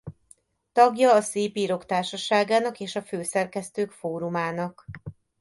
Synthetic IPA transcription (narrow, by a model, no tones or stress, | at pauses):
t̪ɒɡjɒːseːpiːɾo̞kt̪aːrʃɒʃaːɡaːnɒkeːʃɒføːsɛrkɛst̪øːkfoːɾumaːnɒk